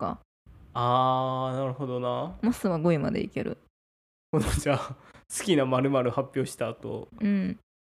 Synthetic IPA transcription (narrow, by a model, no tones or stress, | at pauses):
ka̰ | aːnaɾɯ̟ho̞d̪o̞namosɨβaɡoima̰d̪ḛḭke̞̰ɾɯ̟̰ | honod͡ʑasɨ̥kʲinamaɾɯ̟maɾɯ̟hapʲːo̞ːɕi̥t̪aːt̪o̞̰ɯ̟̃ɴ